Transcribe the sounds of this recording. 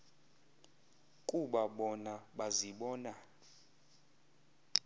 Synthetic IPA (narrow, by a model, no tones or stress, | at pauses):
kʼuɓaɓɔnaɓaziɓɔːna